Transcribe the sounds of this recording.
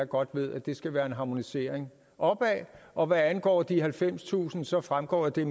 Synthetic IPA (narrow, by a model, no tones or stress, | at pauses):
ɡ̥ɒ̽d̥ʋe̝ð̞̰ˠæd̥e̝sɡ̥æʋæːɐe̝nɦɑ̈mo̝nise̝ɐ̰eŋ | ʔɒ̽b̥ɛʔɒ̽ʋæænɡ̥ɒ̰ːd̥ihælfem̰st͡sʰṵːsn̩sɒ̽fʁamɡ̥ɒ̰ːjd̥e̝